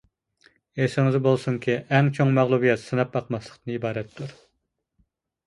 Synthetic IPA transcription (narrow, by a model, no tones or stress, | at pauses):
esɪŋɪzbolˠsuŋkʲʰiʔɛŋt͡ʃʰoŋmæʁlˠubijɛt̪sɨnɑp̚bɑqmɑslˠə̥qt̪ɨnɨibɑːɾɛt̪ʰːuɾ